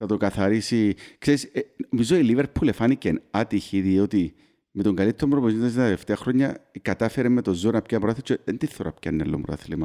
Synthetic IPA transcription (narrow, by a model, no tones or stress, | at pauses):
θɐt̪okɐθɐɾisikseɾiseomizoiliveɾpʰulefɐnicenɐt̪içiðiot̪i | met̪o̞ŋɡɐlit̪eɾomɾopoizmnd̪ɐzt̪left̪eɐxɾoɲːɐkɐt̪ɐfeɾemːet̪ozonɐpcɐpoɾɐθit͡ʃːeðent̪iθːoɾɐ̰pcɐ̰nːḛlːo̰mbɾo̰ɐ̰θlimɐ